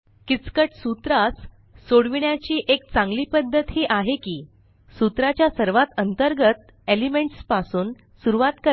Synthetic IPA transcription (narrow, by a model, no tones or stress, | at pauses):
kit͡skəʈsut̪ɾasː | oɽʋiɳjat͡ɕiːʔek̚t͡sãŋɡliːpəd̪ʱːət̪ɦeʔaɦekiː | sut̪ɾat͡ɕjasəɾʋat̪ənt̪əɾɡət̪̚ | elimeɳʈspasuːn | suɾuʋat̪kəɾ